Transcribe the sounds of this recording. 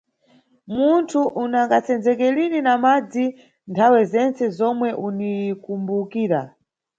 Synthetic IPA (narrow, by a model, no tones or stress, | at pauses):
muntʰuʔunaŋɡat͡sɛnd͡zɛk̬ɛlininamad͡zi | ntʰawɛzɛnt͡sɛzɔmwɛʔunikumbukiːɾa